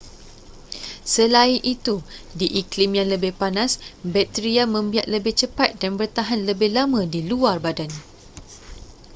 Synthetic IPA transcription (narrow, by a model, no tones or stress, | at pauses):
səlainʔit̪udiʔiklimjaŋləbɪhpanãsbɛt̪ɾiamə̃mbiat̪̚ləbɪht͡ʃəpat̪̚danbərt̪aɦanləbɪhlamãdiluarbadan